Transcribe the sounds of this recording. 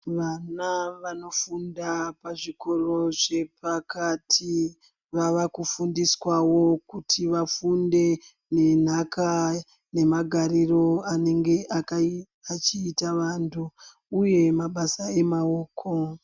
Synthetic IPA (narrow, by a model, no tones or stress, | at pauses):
ʋanaʋano̞fundapaʐiko̞ro̞ʐe̞pakatʰi | ʋaʋakufundiswawo̞kutʰiʋafunde̞ | ne̞n̤aka | ne̞maɡʱariro̞ane̞ŋɡe̞ʔaka | at͡ʃiːtaʋaːntʰuː | je̞maɓasae̞mao̞ːkʰo̞